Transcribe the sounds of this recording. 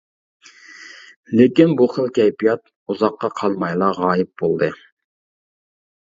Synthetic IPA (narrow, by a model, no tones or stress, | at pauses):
lɪkʲinbuχəlˠkʲɛjpijɑt̪̚ | uzɑqːɑqʰɑlˠmɑjlˠɑʁɑːjɪp̚bolˠd̪ɨ